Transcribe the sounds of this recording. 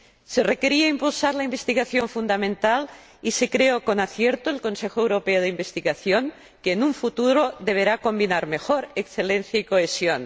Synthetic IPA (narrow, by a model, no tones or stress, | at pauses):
serekeɾiaimpulsaɾlaimbest̪iɣaθjoɱfund̪amẽnt̪al | isekɾeokonaθjeɾt̪oelkonsexoewɾopeoðeimbest̪iɣaθjoŋ | keːnuɱfut̪uɾoðeβ̞eɾakombinaɾmexoɾeksθelen̟θjaikoesjon